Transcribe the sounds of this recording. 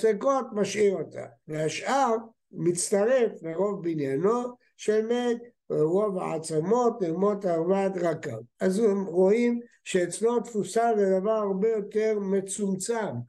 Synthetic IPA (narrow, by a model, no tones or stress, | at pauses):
sekot̪maʃiʁot̪ʰa̰veaʃʔaʁ | mit͡st̪aʁefleʁo̞vbinjano | ʃelmet̪ | ʁo̞va̰ʕa̰t͡samo̞t̪lemo̞t̪aʁvad̪ʁaka̰vazemʁoim | ʃeet͡slot̪fusazed̪avaʁaʁbejo̞t̪eʁmet͡sumt͡sam